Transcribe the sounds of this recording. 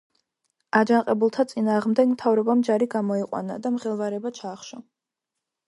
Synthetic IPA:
ad͡ʒanqʼɛbulˠt̪ʰat̪sʼinaːʁmd̪ɛɡmt̪ʰavɾɔbamd͡ʒaɾiɡamɔiqʼwa̰na̰d̪amʁɛlˠvaɾɛbat͡ʃʰaːχʃɔ

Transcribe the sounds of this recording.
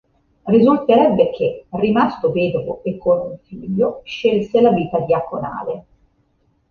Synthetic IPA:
rizult̪eɾɛbːek̟ʰerimast̪oveːd̪ovoekʰːonuɱfiːʎːoʃelselaviːt̪ad̪iakona̰ːle

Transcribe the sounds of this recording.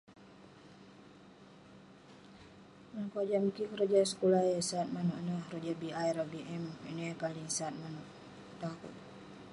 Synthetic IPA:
ənkoad͡ʒamikikɾad͡ʒasə̥kulajəsaːt̪̚manɔʔnəhrod͡ʒabiajɾabiʔɛminəkaliŋsaːt̪̚manɔʔ | t̪akṵt̪̚

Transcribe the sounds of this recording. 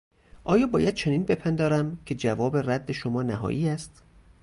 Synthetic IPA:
ʔɒːjɒːbɒːjæd̪̥̚t͡ʃʰeniːnbe̞pʰænd̪ɒːɾæmkʰe̞d͡ʒævɒːberæd̪ːe̞ʃomɒːnæɦɒ̰ːʔiːæst̪

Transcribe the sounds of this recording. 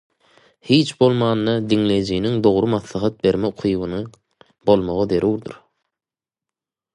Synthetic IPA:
hiːt͡ʃbo̞lˠmɑːnːɑd̪iŋle̞jd͡ʒijniŋd̪o̞ʁɾumɑθlˠɑɦɑt̪̚be̞ɾmeuqʰujβɯnɯ | b̥o̞lˠmoʁɑðeɾuːɾd̪ɯ̰ɾ

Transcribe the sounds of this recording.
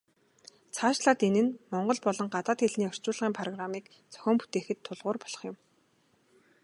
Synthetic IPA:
t͡sʰaːʃɮaːt̪enɘ̆nmɔɴɢɞ̆ɮpɔɮɞ̆ŋɢat̪aːt̪eɮniːœr̥t͡ɕʊːɮʁiːmpʰrɔɣramiːk | t͡sœ̥xʲɔːmpu̥t̪eːxɘ̆t̪ʰːʊɮʁʊːrpɔ̥ɮ̥ɞ̥̆χjʊ̆m

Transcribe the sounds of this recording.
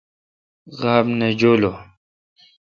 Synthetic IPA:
ɣaːbned͡ʑoːlo

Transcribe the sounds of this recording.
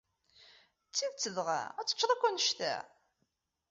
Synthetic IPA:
t͡sːiðt͡sːəðʁæ̰æt͡sːə̥t͡ʃːɾˤɑkʷːænəʃt̪æ̰

